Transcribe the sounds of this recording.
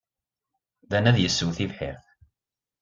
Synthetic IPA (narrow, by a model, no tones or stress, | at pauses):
ðænæðjəsːuwθivħɪ̰ɾθ